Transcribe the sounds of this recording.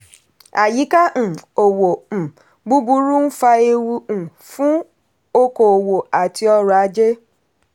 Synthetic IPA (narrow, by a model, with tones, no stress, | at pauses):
a˨ji˨˦ka˦n̩˨o˨wo˨m̩˨ | ɡ͡bu˦bu˦ɾu˦n̩˦fa˦e˦wu˦n̩˨ | fũ˦ | o˦ko˨o˨wo˨a˨ti˦ɔ˦ɾa˦d͡ʒe˦